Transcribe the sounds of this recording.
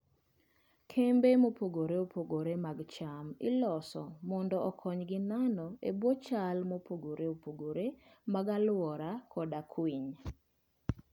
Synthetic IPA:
kʰembemopoɡoɾeopoɡoɾemaɡt͡ʃamɪ̰lɔsɔmɔndɔʔɔkʰɔɲɡɪnanɔebwot͡ʃalmopoɡoɾeopoɡoɾemaɡalʊwɔɾakʰɔdakʰwiɲ

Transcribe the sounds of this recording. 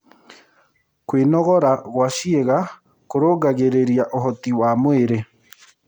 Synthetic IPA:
kwenɔɣɔɾaɣwaʃieɣa | koɾoːɡaɣeɾeɾjaʔoɦɔtiwamweɾe

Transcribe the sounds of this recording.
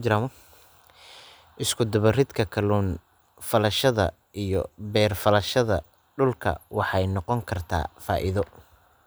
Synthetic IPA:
d͡ʒɪɾamɐ | ʔɪskʰʊd̪ɐβɐrɪd̪kʰɐkʰɐluːn | fɐlɐʃɐðɐ̰ | ijɔ̰bɛːrfɐlɐʃɐðɐ̰ | ɖʊlkʰɐ̰wɑħɑjnɔqɔŋkʰɐrt̪ʰa̰ːfa̰ːʔɪðɔ

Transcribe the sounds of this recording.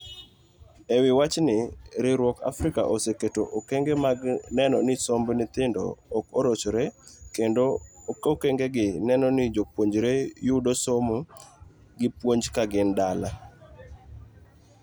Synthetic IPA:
ewɪwat͡ʃnɪɾɪɾwɔka̰fɾɪka̰ʔoseketoʔokeŋɡemaɡnɛnɔnɪsombnɪt̪ɪndɔ̰ːkoɾot͡ʃoɾekendokokeŋɡeɡɪnɛnɔnɪd͡ʒopwoɲd͡ʒɾejʊdosomo | ɡɪpwoɲd͡ʒkaɡɪndala

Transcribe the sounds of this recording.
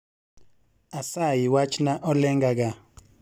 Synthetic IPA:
asajiwat͡ʃnaʔɔlɛŋɡaɡ̬a

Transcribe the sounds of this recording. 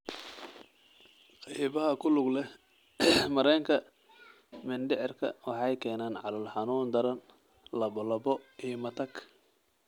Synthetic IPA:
qɑjβɐɦɐkʰʊlʊɡlɛ | mɐɾɛːŋkʰɐ | mɪnɖɪʕɪrkʰɐ̰wɑħɑjkʰɛːnaːnʕɑ̰lɐlħɑnuːnd̪ɐɾɐn | lɐβɔlɐbɔijmɐt̪ʰɐk

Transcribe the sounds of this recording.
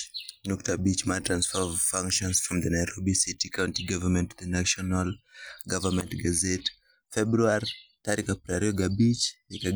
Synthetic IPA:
nɔktəbit͡ʃmatɹãnsfɔvfãŋkʃɔ̃nsfɹɔ̃mðənajɾobisitikʰaw̃ntiɡavəmɛ̃ntðənaʃɔnalɡavəmɛ̃ntɡazɛt | fɛbɹuaɾit̪aɾikapɾaɾiɔɡabit͡ʃika

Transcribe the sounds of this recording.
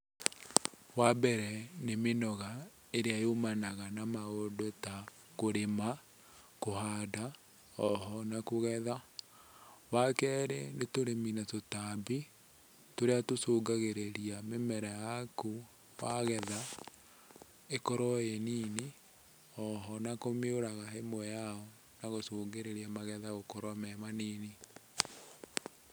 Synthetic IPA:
wabɛɾɛnemenɔɣa | eɾeajomanaɣanamaodota | koɾema | kohada | ɔɦɔnakoɣɛða | wakɛɾenetoɾeminatotabi | toɾeatosoːɡaɣeɾeɾiamemɛɾajaku | waɣɛða | ekɔɾɔeniːni | ɔɦɔnakomeoɾaɣaɦemwɛjaɔ | naɣosoːɡeɾeɾiamaɣɛðaɣokɔɾɔmɛmaniːni

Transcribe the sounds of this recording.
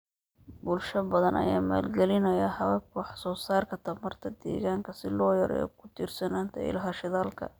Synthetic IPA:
bʊlʃɐbɐðɐnʔɐ̰jaːma̰ːlɡɛlɪnɐjɐhɐβɐkʰwħsɔːsaːrkʰɐt̪ʰɐbmɐrt̪ʰɐd̪ɛ̰ːɣaːŋkʰɐsɪlɔːjɐɾɛ̰kʰʊ̥t̪ʰiːrsɐnaːnt̪ʰɛ̰ɪ̰lɦɐʃɪðaːlkʰɐ̰

